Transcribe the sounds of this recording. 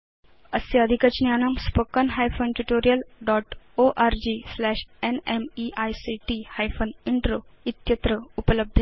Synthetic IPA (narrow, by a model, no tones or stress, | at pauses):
əsjəəd̪ʱikət͡ɕnjanəmspəkənɦajfonʈuʈoɾijəlɖɔʈ | oʔaɾd͡ʑiːslæɕenemiʔajsiʈihajfoniɳʈɾoit̪jət̪ɾəupələb̚d̪ʱe